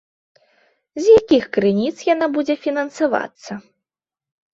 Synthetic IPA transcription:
zʲjakʲixkɾɨnʲit̪sjanabud͡zʲɛfʲinɐnsava̰t̪sːɐ

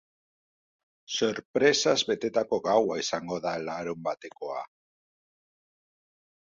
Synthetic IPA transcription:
soɾpɾesazβet̪et̪akoɣawaisaŋɡoðaelaɾumbat̪ekoa̰

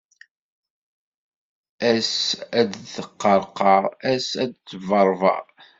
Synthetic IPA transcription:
æsæd̪θəqːəɾˤqɑˤæsæd̪̚t͡sːəvəɾˤvɑ̰

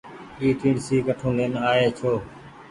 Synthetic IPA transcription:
iːʈĩːɳsiːkəʈʰõːleːnaːeːt͡ʃʰoː

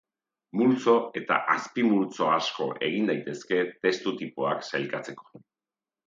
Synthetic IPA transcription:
mult͡so̞e̞t̪a̰ʔaspimult͡so̞asko̞̰ʔe̞ɣ̞ind̪ajt̪e̞ske̞t̪e̞st̪ut̪ipoaksajlkat͡se̞ko̞̥

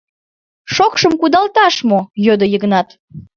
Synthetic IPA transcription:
ʃokʃəmkud̪ɑlt̪ɑʃmojød̪əjəɣnɑt̪

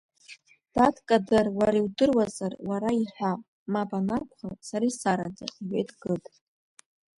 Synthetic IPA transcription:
d̥atkʼadarwaɾaiwdɨrwazarwaɾaiħʷᶣa | mapʼanakʷʰχasaɾaisaɾad͡za̰χʲiɥejtʰʼɡɨtʼ

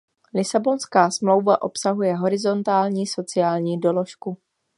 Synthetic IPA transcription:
lɪsabo̞nskaːsmlo̞wvaʔo̞psaɦujɛɦo̞ɾɪzo̞nt̪aːlɲiːso̞t͡sɪjaːlɲiːdo̞lo̞ʃku

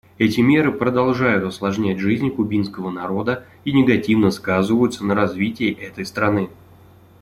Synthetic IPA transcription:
ɛtʲɪmʲe̞ɾɨpɾəd̪ɐlˠʐajʊt̪ɐslˠɐʐnʲætʲʐɨzʲnʲkʊbʲinskəvənɐɾo̞d̪ə | inʲɪɡɐtʲivnəskazɨvəjʊt̪sənəɾɐzvʲitʲɪjɪʔɛt̪əjst̪ɾɐnɨ

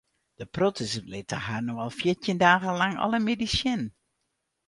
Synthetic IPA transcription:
d̥əprotəslɪtə̰haːnoalˠfjɪtjɪndaːɣəlaŋɔ̰ləmedisjɪn

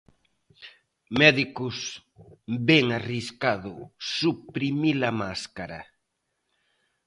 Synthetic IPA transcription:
mɛðikʊs | bɛŋariskaðʊsupɾimilamaskaɾa̰

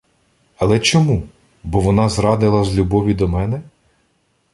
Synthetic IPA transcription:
ɐlˠɛt͡ʃɔmu | bɔʋɔnɑzɾɑd̪ɪlˠɐzlʲubɔʋʲid̪ɔmɛnɛ

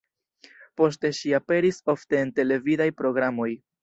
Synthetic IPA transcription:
po̞s̬te̞ʃiape̞ɾiso̞fte̞ːnte̞le̞vidajpɾo̞ɡɾamo̞j

